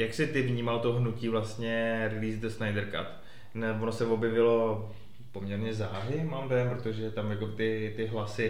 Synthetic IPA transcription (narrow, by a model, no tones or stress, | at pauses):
jaksɪt̪ɪvɲiːmalt̪o̞ɦnuciːvlast̪ɲɛɾɪliːsd̪əsnajdɛɾka̰t̪ | nɛvonosɛvo̞bjɛvɪlo̞ | po̞mɲɛɾɲɛzaːɦɪmaːmvɛmpɾot̪oʒɛt̪amjakobɪt̪ɪt̪ɪɦlasɪ